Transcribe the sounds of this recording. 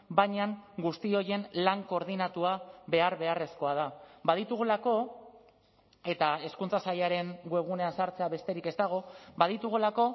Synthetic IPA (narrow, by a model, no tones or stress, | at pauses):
bajɲaŋɡust̪io̞je̞nlaŋko̞ɾðinat̪uaβe̞aɾβe̞are̞sko̞að̞aβaðit̪uɣ̞ulako̞ | e̞t̪ae̞skunt͡sasaʎaɾe̞ŋɡue̞ɣ̞une̞ansaɾt͡se̞aβe̞st̪e̞ɾike̞st̪aɣ̞o̞baðit̪uɣ̞ulako̞